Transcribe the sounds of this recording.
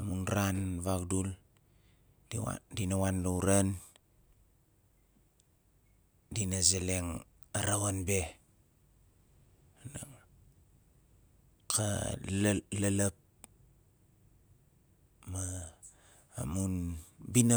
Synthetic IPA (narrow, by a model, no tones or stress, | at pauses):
amunɾanβakdul | a̰dinawanlauɾan | dinazeleŋ | aɾawanbe | na | kʰa̰ | lalap̚ | maː | munbina